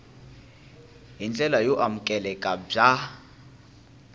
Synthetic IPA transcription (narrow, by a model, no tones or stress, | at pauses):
ɦind͡ɮʼɛlajɔʔamukʼɛlɛkʼab͡ʐa